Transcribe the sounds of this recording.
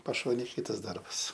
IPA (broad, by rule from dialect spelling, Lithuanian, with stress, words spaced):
pɐˈʃoːnʲeːj ˈkʲiːtɐs ˈdɐrbɐs